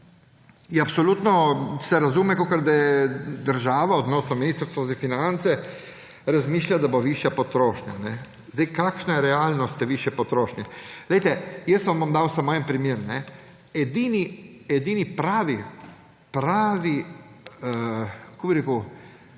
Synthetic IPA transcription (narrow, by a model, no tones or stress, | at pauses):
iapsoluːt̪nɔsɛɾazuːmɛkokɐɾd̪ajɛd̪əɾʒaːʋaod̪nɔːsnɔminiːst̪ɾst̪ʋɔzafinant̪sɛ | ɾazmiːʃlʲjʲad̪aboʋiʃjapot̪ɾoːʃɲa̰nɛ | zd̪ejkaːkʃnajɛɾɛaːlnɔst̪ɛʋiːʃjɛpot̪ɾoːʃɲɛlejt̪ɛjɛst̪ʋamʋamd̪aːwsamoːjɛmpɾimjeːɾmnɛ | ɛd̪iːniɛd̪iːnipɾaːʋi | pɾaːʋi | kobiɾeːku